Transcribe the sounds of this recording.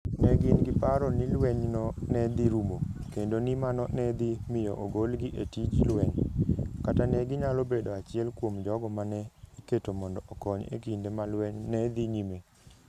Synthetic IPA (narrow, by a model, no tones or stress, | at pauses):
nɛɡɪnɡɪpaɾɔnilwɛɲnɔnɛd̪iɾumokendonimanɔnɛd̪imɪjɔ̰ʔoɡolɡiʔetid͡ʒilwɛɲkatanɛɡɪɲalobedoat͡ʃɪɛlkwomd͡ʒɔɡɔmanɛiketomɔndɔɔkɔɲḛkindemalwɛɲnɛd̪iɲime